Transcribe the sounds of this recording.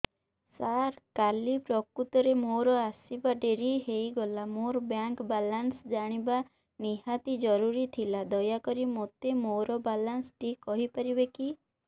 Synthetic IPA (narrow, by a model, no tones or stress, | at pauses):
saɾkalipɾɔkut̪ɔɾemoɾɔasibaɖeɾiɦejɡɔlamoɾbjaŋkbalansd͡ʒaɽ̃iba | niɦat̪id͡ʒɔɾuɾit̪ʰilad̪ɔjakɔɾimot̪emoɾɔbalanst̪ikɔɦipaɾibeki